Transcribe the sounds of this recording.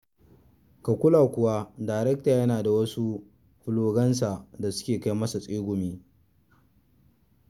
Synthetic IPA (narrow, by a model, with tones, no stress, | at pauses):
ka˨kʷʊ˦laː˨kʷʊ˦wa˦daː˨jɾɛ˦k̚taː˨jɐ˦naː˨da˨wɐ˦su˦ | ɸʊ˦loː˦ɡɐ˦ns̬a˨da˨sʊ̥˦kʲeː˨ka˦jmɐ˦sa˨sʼeː˦ɡʷʊ˨miː˦